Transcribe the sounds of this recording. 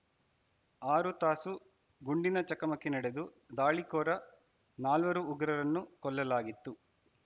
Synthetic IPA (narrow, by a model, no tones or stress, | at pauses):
aːɾut̪aːsu | ɡuɳɖinɐt͡ʃɐkɐmɐkːenɐɽed̪u | d̪aːɭikɔːɾɐ | naːlʋɐɾuːɡɾɐɾɐnːukɔlːɐlaːɡit̪ːu